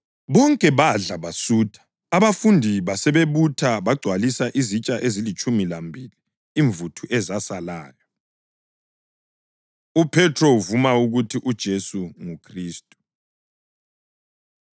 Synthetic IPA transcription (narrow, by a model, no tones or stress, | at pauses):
βɔŋkʼɛβaɮaβasuːtʰḁː | βafundʱiβasɛβeβutʰaβaɡ͡ǀʱwalisaʔizit͡ʃʼaʔezilit͡ʃʼumilambʱiliː | ɱvutʰuʔɛzasalaːjɔ | upʰɛtʰrouvumauɣutʰiʔud̥ʒ̥ʱesuŋukʰriːstʼu̥